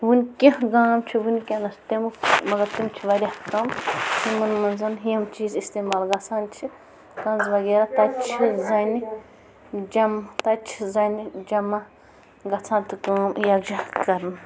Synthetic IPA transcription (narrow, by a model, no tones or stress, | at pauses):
ʋunʲkʲɐ̃ɦɡaːmt͡ʃʰiʋunʲkʲɐ̃nɐst̪emumɐɡɐɾt̪imt͡ʃʰiʋɐɾʲɐhk̪ɐmsimɐnmɐnzɐnɦiɐmt͡ʃiːzist̪eːmaːlɡɐt͡sʰãːnt͡ʃʰi | kɐnzʋɐɡeːɾɐt̪ɐt͡ʃʰizɐni | d͡ʒɐmt̪ɐt͡ʃʰizɐnid͡ʒɐmɐ | ɡɐt͡sʰãːt̪ɨkaːmjɐɡd͡ʒɐhkɐɾn